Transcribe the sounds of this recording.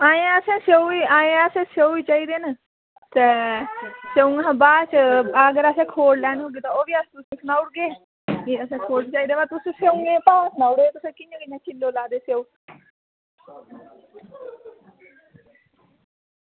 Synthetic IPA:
aːẽəsẽːseuiːaːẽəsẽːseuiːt͡ʃaːiːd̪eːnə | t̪e | seʊ̃ŋãbaːt͡ʃəɡəɾəsɛ̃ːkʰoːɽlɛːnɦoːɡiːt̪oːoːʋiːast̪ʊsĩːsʰnaːʊɽɡeː | iəsẽːkʰoːɽiːt͡ʃaːiːd̪eːʋat̪ʊsĩseʊ̃ŋɡẽːpãːsnaːʊɽɡeːt̪ʊsẽːkɪɲãkɪɲãːt͡ʃɪlːoːlaːd̪eːseuː

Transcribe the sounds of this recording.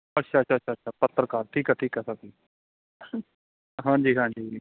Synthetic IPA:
ətːʃʰaːətʃʰaːʃʰaːtʃʰaːpət̪ːəɾəkaːɾʈʰiːkɛʈ̪ʰiːkɛːsakiː | ɦãːɲd͡ʒiːɦãːɲd͡ʒiː

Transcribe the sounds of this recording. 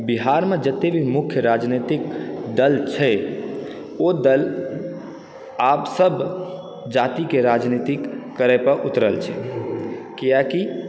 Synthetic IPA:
biɦaɾmed͡ʒət̪ːebʱimukʰjəɾad͡ʒnet̪ikd̪əlt͡ʃʰɛ | od̪əl | apsəb | d͡ʒat̪ikeɾad͡ʒnit̪ikːəɾɛpəɾʔut̪ɾəlt͡ʃʰɛ | kijaki

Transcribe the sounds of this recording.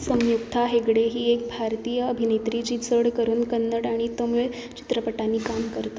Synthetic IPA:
sə̃wjukt̪ʰaɦekɽeɦiːek̚bʱaɾt̪iːjəːbʱinet̪ɾit͡ɕiːd͡zəɽkəɾuːnkənːəɽaɽ̃it̪omuɭ | t͡ɕi̥t̪ɾəpəʈanːiːkamkəɾt̪a

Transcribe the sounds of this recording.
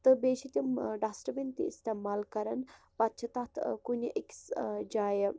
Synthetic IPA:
t̪ɨbeːʃit̪ʲimɖaːsʈɐbint̪iist̪eːmaːlkɐɾɐn | pɐt̪̚t͡ʃʰɐt̪at̪ʰkunʲiʔiksd͡ʒaːjə

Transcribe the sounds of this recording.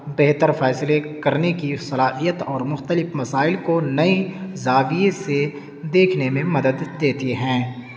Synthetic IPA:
beɦt̪əɾfɛːslekɐɾnekisɐlaːɦijət̪ɔːɾmʊxt̪əlɪfmɐsaːɪlkonɐizaːʋiese | d̪eːkʰnemẽmɐd̪əd̪d̪eːt̪iɦɛ̃ː

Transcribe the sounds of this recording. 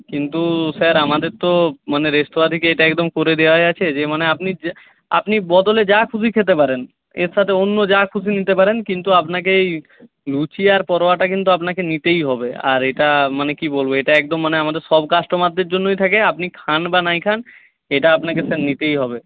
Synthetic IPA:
kint̪usaɾamad̪eɾt̪omaneɾesʈobad̪ʱikeeʈaɛk̚d̪omkoɾed̪eoajat͡ɕʰed͡ʑemaneapni | a̰pnibɔd̪oled͡ʑakʰusikʰet̪̬epaɾen | eɾʃʰat̪ʰeonːod͡ʑakʰus̬init̪epaɾenkint̪uapnak̬eej | lut͡ɕiaɾpɔɾoaʈak̬int̪̬uapnakenit̪ejɦɔbea̰ɾeʈamanekibolboeʈaɛk̚d̪omːaneamad̪eɾʃɔbkasʈomad̪ːeɾd͡ʑonːojt̪ʰakeapnikʰanbanajkʰan | eʈaapnakesaɾnit̪ejɦɔbe

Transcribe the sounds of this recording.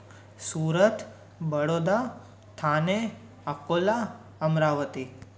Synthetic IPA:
suːɾət̪ | bəɽod̪a | t̪ʰane | əkola | əmɾaʋət̪i

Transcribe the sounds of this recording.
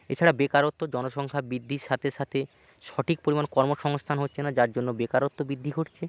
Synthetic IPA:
ḛt͡ɕʰaɽabekaɾot̪ːod͡ʑɔnoʃɔŋkʰabɾid̪ʱːiɾʃat̪ʰeʃat̪ʰe | ʃɔʈʰik̚poɾimankɔɾmoʃɔŋst̪ʰanɦotːɕʰenad͡ʑaɾd͡ʑonːobekaɾot̪ːobid̪ʱːikoʈt͡ɕʰe

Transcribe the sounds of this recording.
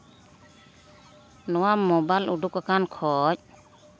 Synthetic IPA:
nɔwamɔbalʔudukakankʰɔc̚

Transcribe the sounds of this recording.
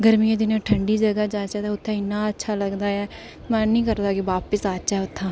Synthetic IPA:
ɡəɾmiãːd̪ɪnẽːʈʰəɳɖiːd͡ʒəɡaːd͡ʒaːt͡ʃaːt̪ːʊt̪ʰːãːɪnːãːətːʃʰaːləɡd̪aːɛː | mɛ̃ːnĩːkəɾd̪aːkɪʋaːpəsaːt͡ʃaɛːʊt̪ʰːãː

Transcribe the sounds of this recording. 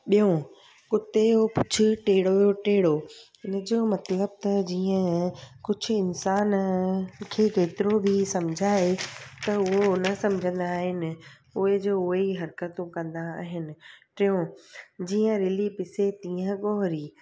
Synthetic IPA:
ɓijõ | kʊt̪ejopʊt͡ɕʰʊʈeːɽojoʈeːɽoɦɪnəd͡ʑoːmɐt̪ləb̚t̪ɐd͡ʑiːə̃kʊd͡ʑʱʊ̆ɪnsaːn | kʰeːkeːt̪ɪɾobʱisɐmd͡ʑʱaːet̪ɐʊɦonɐsɐ̃md͡ʑʱə̃nd̪aːɦɪnɪ̆ | ʊɦed͡ʑoːʊɦeiɦɐɾkət̪ũkɐ̃nd̪aaːɦɪnɪ̆ʈɪjõd͡ʑiːə̃ɾɪlipɪset̪ĩːə̃ɠɔːɦɾiː

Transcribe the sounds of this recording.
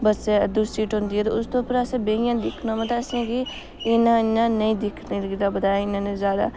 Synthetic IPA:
bəsd̪ʊsɾiːʈɦʊ̃nd̪iːɛːt̪o̰ːʊst̪õːpəɾəsãːbeːɪjãːd̪ɪkʰnõːmãːt̪ãːəsãːɡiː | ɪnãːɪnãːnəĩːd̪ɪkʰniːlɡid̪aːbəd̪aːjaːɪnãːnẽːzjaːd̪a̰ː

